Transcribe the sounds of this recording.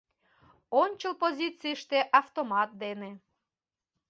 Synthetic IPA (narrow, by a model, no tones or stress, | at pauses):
onʲt͡ɕəlˠpozʲit̪t͡sijʃt̪eʔɑft̪omɑt̪̚d̪ene